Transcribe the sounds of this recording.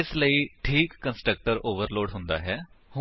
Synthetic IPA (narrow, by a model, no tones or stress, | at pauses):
ɪsləiːʈʰiːkːə̃nsʈɾək̚ʈəɾoːʋəɾloːɖɦʊ̃nd̪a̰ːɦɛːhʊ